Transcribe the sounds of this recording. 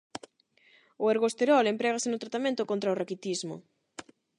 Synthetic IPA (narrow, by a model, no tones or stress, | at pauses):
ʊeɾɣost̪eɾɔlempɾɛɣasenʊt̪ɾat̪amẽnt̪ʊkont̪ɾaorakit̪izmʊ̰